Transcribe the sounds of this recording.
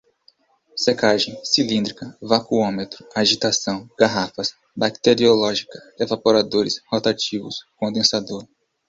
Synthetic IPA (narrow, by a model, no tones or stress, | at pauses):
sekaʒẽj̃silĩnd̪ɾikɐvakuõmet̪ɾʊaʒit̪asɐ̃w̃ɡ̥aɦafɐs | bakt̪eɾiolɔʒikɐevapoɾad̪oɾɪshot̪at͡ʃivʊskõd̪ẽsad̪oɾ